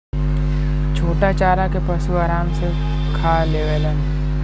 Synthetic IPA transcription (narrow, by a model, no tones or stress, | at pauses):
t͡ʃʰoːʈat͡ʃaːɾakepɐsuaːɾaːmse | kʰaːleːʋeːlən